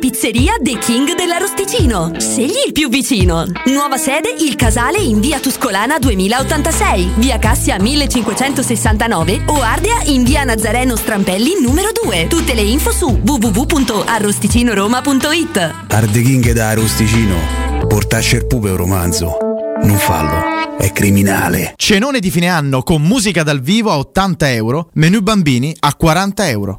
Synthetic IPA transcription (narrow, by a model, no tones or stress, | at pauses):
pit̪sːeɾiːad̪ekʰiŋɡd̪elːarost̪it͡ʃiːnoseʎːiːlpjuvːit͡ʃiːnonwɔːvasɛːd̪eʔilkazaːleiɱviːat̪uskolaːnad̪uemiːlaot̪ːant̪asɛjviːakasːjamilːet͡ʃːiŋkwet͡ʃɛnt̪osesːant̪anɔːveoard̪eaʔiɱviːanad̪zːaɾɛːnost̪ɾampɛlːinuːmeɾod̪uːet̪ut̪ːeleiɱfosuvuvuvupːunt̪oʔarːost̪it͡ʃiːnoɾoːmapunt̪oit̪ː | a̰rd̪ekiŋɡed̪aːrost̪it͡ʃiːno̰pɔɾt̪at͡ʃːeɾpuːpeuɾo̰mand̪zʊ̰noɱfa̰lːo̰ɛ̰kːɾimina̰ːlḛt͡ʃenoːned̪ifiːneanːokomːuːzikad̪alviːvoaot̪ːant̪aɛwɾomenubambiːniakːwaɾant̪aɛwɾo̰